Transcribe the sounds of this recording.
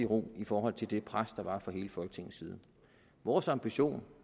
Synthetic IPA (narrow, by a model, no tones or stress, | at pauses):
iʁoifɒːɦɒ̽l̰t͡sʰe̝ld̥e̝pʰʁasd̥ɑ̈ʋɑ̈fɒ̈ɦe̝ːləfɒ̽lɡ̥ə̥t͡sʰe̝ŋn̩siːð̞ˠ | ʋɒːsɑ̈mb̥iɕo̝̰ːn